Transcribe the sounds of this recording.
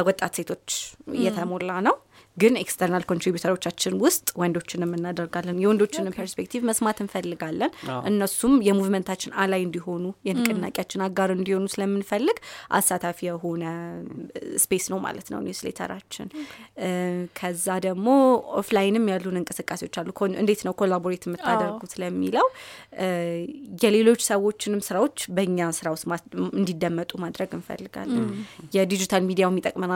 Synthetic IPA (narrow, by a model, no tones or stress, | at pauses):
əwɔt̪ʼːat̪se̞t̪ʰo̞t͡ʃːɨ̰jːɛt̪ʰəmo̞lːanəw | ɡɨnekst̪ʰəɾnalkʰont̪ɾibjut̪ʰəɾwo̞t͡ʃːat͡ʃːɪnwʊst̪ʼwɔnd̪o̞t͡ʃːɪnɨmːɨnːad̪əɾɡalːɨnjɛwɔnd̪o̞t͡ʃːɪnɨmpʰəɾspek̚t̪ʰivməsmat̪ʰɨnfəlːɨɡalːənʔɨnːəsumjɛmuvmənt̪ʰat͡ʃːɪnalajɨnd̪iɦo̞nujɛnkʼːɨɨnːa̰kʼjat͡ʃːɪnaɡːaɾɨnd̪iho̞nusɨləmːɨnfəlːɨɡʔa̰sːat̪ʰafijɛɦo̞nə | spʰe̞snəwma̰lət̪nə̰w̰nɛslḛt̪ʰə̰ɾat͡ʃːɪ̰n | kʰəzːad̪əɡmo̞oflajɪnɨmːjalːunɨŋkʼɨsɨkʼːase̞wo̞t͡ʃːalːukʰɨ̰nd̪e̞t̪nəwkʰolaboɾit̪ʰɨmːɨt̪ʰːadəɾɡusləmːiləw | jɛle̞lo̞t͡ʃːsəwot͡ʃːɪnɨmsɨɾawo̞t͡ʃːbəɨɲːasɨɾawosɨnd̪id̪ːəmːət̪ʼumad̪ɾəɡɨnfə̰lːɨɡa̰lːənjɛd̪id͡ʒit̪ʰalmid̪ijamːit̪ʼəkʼməna